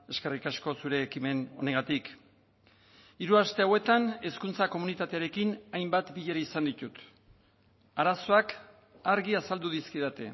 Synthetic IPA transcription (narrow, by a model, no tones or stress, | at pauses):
e̞ske̞rikasko̞suɾe̞ːkime̞no̞̰neŋɡat̪ik | iɾuast̪eawe̞t̪ane̞skunt͡sako̞munit̪at̪e̞aɾe̞kinajmbat̪biʎe̞ɾaisand̪it̪ut̪ | aɾaso̞ak | aɾɣiasald̪uðiskiðat̪e̞̰